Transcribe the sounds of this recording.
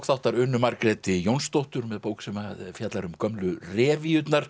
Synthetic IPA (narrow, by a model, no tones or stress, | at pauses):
kθawht̪aɾʏnːʏmaɾkɾɛt̪ɪjownst̪owht̪ʏɾmɛðpoːwksɛmafjat̪laɾʏmkœmlʏrɛːvɪʏt̪naɾ̥